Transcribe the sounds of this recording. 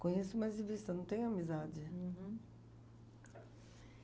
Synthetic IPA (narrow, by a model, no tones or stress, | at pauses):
kõɲesʊmajzɪvist̪ɐnɐ̃w̃t̪ẽɲʊamizad͡ʒɪ̃